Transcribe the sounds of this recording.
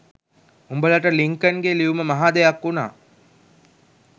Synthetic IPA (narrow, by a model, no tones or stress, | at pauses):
umbələʈəliŋkənɡeliuməmaɦaːd̪ɐjakːuna̰ː